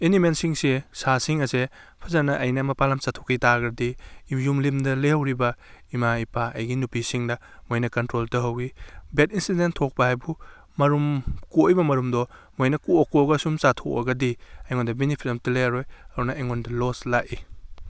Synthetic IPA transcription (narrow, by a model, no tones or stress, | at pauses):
inimensiŋsesasiŋɐse | pʰɐzanɐʔɐjnɐmɐpalamt͡ʃatʰokitaɡɾɐdiːjumlimdɐlehɐwɾibɐimaipʰaɐ̰jɡinupisiŋnɐ | mojnɐkɐntɾoltɐɦɐwibetinsidentʰːok̚pɐhajbu | mɐɾumkojbɐmɐɾumdɔmojnɐkuokuɐɡɐsumt͡ʃatʰokɐ̰ɡɐdiɐjŋondɐbenipʰitɐmtilejaɾojɐdunɐɐjŋondɐloslaʔi